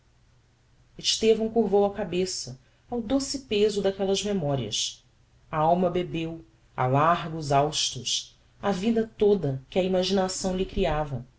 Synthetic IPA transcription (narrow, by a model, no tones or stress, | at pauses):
eʃt̪evɐ̃w̃kuɦvowɐkabesɐ | awd̪osɪpezʊd̪akɛlɐzmemɔɾiɐ̰s | aawmɐbebew | a̰laɦɡuzawʃt̪ɾʊs | avid̪ɐt̪od̪ɐkɪɐimaʒinasɐ̃w̃lɪkɾiavɐ